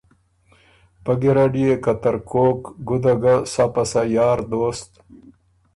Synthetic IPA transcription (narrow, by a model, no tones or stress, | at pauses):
pɐɡiɾaɖijekɐt̪ɐɾkoːkɡud̪aɡasapɐsajɑːɾd̪oːst̪